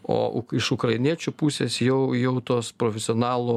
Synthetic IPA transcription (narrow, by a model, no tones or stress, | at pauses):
o̰ːʔʊ̰kɪʃʊkɾɐɪnʲiɛt͡ʃʲupuːsʲeːsjɛʊjɛʊt̪oːspɾoːfʲɛsʲɪoːnɑːlˠoː